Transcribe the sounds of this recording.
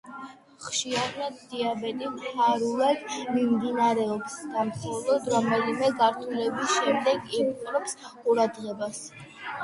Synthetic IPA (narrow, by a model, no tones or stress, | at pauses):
χʃiaɾnad̪ːiabɛnʼimhʰaɾulˠad̪mimd̪inaɾɛɔbsɡamsʰalˠɔd̪ɾamɛlimɛɡaɾt̪ʰulɛbisʃɛmd̪ɛɡimqʼɾɔpsqʼuɾad̪ʁɛbas